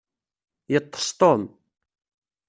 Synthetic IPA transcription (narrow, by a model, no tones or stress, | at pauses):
jət̪ˤːə̥st̪ˤom